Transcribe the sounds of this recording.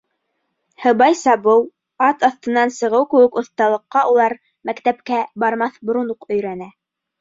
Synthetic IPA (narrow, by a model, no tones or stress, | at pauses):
hɤ̆βɑjsɑβɤw | ɑt̪ɑθt̪ɤ̆nːɑnsɤ̆ʁɤwkɘ̆wɘkŏθt̪ɑlˠɤ̆qːɑʔulˠɑɾ | mækt̪æpkæbɑɾmɑθbŏɾunuqɵ̆jɾænæ